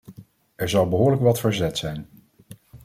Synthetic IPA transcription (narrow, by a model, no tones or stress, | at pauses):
ʔɛɹzɑwbəɦʊːɹləkʋɑtfəɹzɛtsɛjn